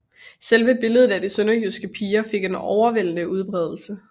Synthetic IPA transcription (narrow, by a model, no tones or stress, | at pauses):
selʋəb̥e̝ləð̞̩ˠæd̥isønɐɡyðˠsɡ̥əpʰiːɐfe̝ɡ̥e̝nɒʊɐʋen̰nəuð̞ˠb̥ʁɛð̞ˠl̩sə